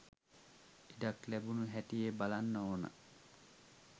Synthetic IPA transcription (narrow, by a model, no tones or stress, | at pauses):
idaklæbunuɦætijebalanːəoːnə̰